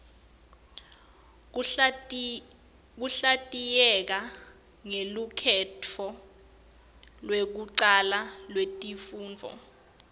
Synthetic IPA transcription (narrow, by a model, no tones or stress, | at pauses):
k̬uɬatʼijɛk̬a | ŋelukʰɛtʰɔ | lwek̬uǀalalwetʼifuːnd͡vʱɔ̰